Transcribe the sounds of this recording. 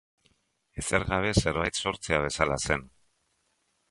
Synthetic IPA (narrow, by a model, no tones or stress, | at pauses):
e̞seɾɣaβ̞e̞se̞ɾβajt̪so̞ɾt͡se̞aβ̞e̞salase̞n